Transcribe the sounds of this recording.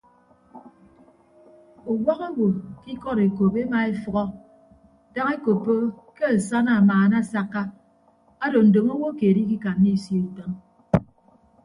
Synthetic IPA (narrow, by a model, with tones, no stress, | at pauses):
o˨wa˦ɣa˦wo˨ki˦kɔ˦ɾe˨ko˨pe˦ma˨e˦fɔ˨ɣɔ˦ | da˦ŋe˦ko˨pːo˦ | ke˦a˨sa˦na˨maː˨na˦sa˦kːa˦ | a˦do˨n̩˨do˨ŋo˦wo˦keː˨di˦ki˦ka˨nːi˦˨sje˦e˨tɔ˦n